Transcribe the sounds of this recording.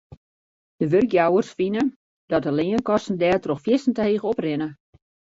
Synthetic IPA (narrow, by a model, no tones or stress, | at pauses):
d̥əʋørkjawərsfinə | dɔt̚əlɪːənkɔsn̩dɛːtroxfjɪsn̩təheːɣəɔprɪnə